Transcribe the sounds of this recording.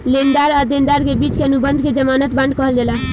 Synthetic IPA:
lend̪aɾəɾd̪end̪aɾkebit͡ʃkeənubənd̪ʱked͡ʒəmanət̪bãɳɖkəɦəld͡ʒela

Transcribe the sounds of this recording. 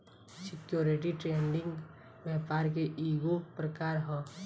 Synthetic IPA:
sɪkjoːɾɪʈiʈɾeːɳɖɪ̃ŋɡ | ʋɛɦpaːɾk̬eʔiːɡopɾəkaːɾɦɛ̃ː

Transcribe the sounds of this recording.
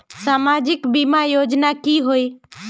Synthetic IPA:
saːmaːd͡ʒɪkbimaːjoːd͡ʒnaːkiːɦoiː

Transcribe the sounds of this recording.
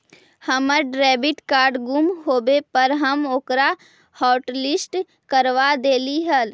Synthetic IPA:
həməɾɖɾɛːbɪʈkaːɾɖɡumɦoːbepəɾɦəmoːkɾa | hɔːʈlɪsʈ | kəɾʋad̪eːliɦəl

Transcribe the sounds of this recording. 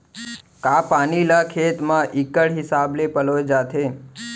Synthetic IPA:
kapanilakʰet̪mãʔikəɽɦɪsablepəlod͡ʒat̪ʰe

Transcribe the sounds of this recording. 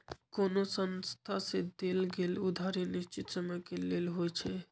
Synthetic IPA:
konosənst̪ʰased̪elɡelud̪ʱaɾenist͡ʃit̪səməjkelelɦojt͡ʃʰɛ

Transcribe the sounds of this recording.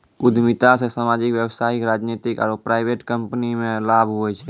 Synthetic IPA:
ʊd̪ʱmit̪asesaːmaːd͡ʒɪkwjəwsaːɪkɾaːd͡ʒnet̪ɪka̰ɾopɾaːɪbeʈkəmpnimẽlaːbʱɦoɛt͡ʃʰɛ

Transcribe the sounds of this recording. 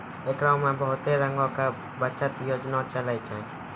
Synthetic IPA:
ekɾãwmãbəɦʊt̪eɾəŋɡɔ̃ka | bət͡ʃat̪jod͡ʒnat͡ʃəlajt͡ʃʰɛ̃

